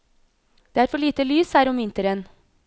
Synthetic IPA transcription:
d̪̥eːæɾfɔɭiːt̪əlyːshæːɾɔmʋɪnt̪əɾən

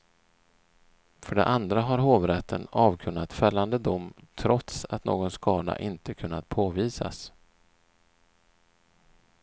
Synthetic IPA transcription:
fœɖɛ̰ʔand̪ɾaɦaɾɦoːvɾɛt̪ʰːənɑːvkʰɵnːat̪fɛlːand̪əd̪ʊmːt̪ʰɾɔt̪sat̪no̰ːɡɔnskɑːd̪a̰ʔɪnt̪əkʰɵnːat̪̚pʰoːviːsa̰s

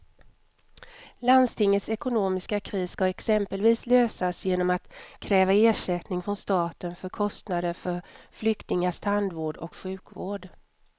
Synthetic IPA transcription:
land̪st̪ʰɪŋːət̪sɛkʊnoːmɪskakʰɾiːskɑɛksɛmpəlviːsløːsasjeːnɔmat̪kʰɾɛːvaeːʂɛt̪nɪŋfɾɔnst̪ɑːt̪ənfœɾkʰɔst̪nad̪əɾfœɾflʏkt̪ɪŋaʂt̪ʰand̪voːɖɔ̰kɧʉ̟ːkvo̰ːɖ

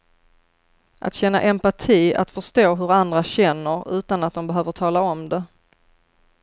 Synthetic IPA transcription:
ʔa̰t̪ɕɛnːa̰ʔɛmpaʈʰiːa̰t̪fœʂt̪oːɦɵɾand̪ɾaɕɛnːəɾʉ̟ːt̪anat̪̚d̪ɔmbɛɦøːvəʈʰɑːlaɔmd̪ɛ

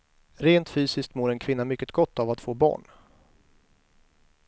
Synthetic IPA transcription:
ɾeːnt̪fyːsɪsk̚t̪moːɾɛnkʰvɪnːamʏkːət̪ɡɔt̪ːavat̪foːbɑ̰ːɳ

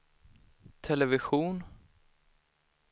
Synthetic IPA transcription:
t̪ʰɛlɛvɪɧuːn

